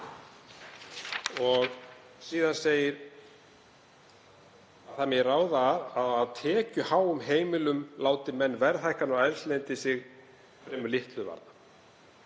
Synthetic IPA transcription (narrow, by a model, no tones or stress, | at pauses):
ɔɣ | siːðanseːjɪɾ | aðθamɪraːwðaaðaðt̪ʰɛːcʏhaːwʏmɦeːjmɪlʏmlaːwt̪ɪmɛnːvɛɾθajhkanawɛɾst̪lent̪ɪsɪɣ | fɾɛːmʏlɪht̪lʏva̰ɾna